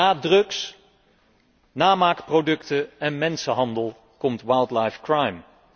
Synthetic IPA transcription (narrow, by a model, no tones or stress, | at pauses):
aːdrɵks | naːmaːkprowdɵktəɛnmɛnsəɦɑndəlˠ | kɔmtʋajlˠdlajfkrajm